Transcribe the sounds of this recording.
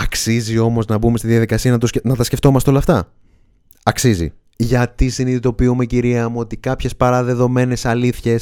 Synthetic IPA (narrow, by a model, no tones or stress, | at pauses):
ɐksizio̞mo̞znɐbume̞st̪iðijɐðikɐsiɐnɐt̪osnɐt̪ɐsceft̪o̞mɐst̪eo̞lɐft̪ɐ | ɐksizḭ | ʝɐt̪isiniθit̪o̞piume̞ciɾiɐmuo̞t̪ikɐpçe̞spɐɾɐðe̞ðo̞me̞ne̞sɐliθçe̞s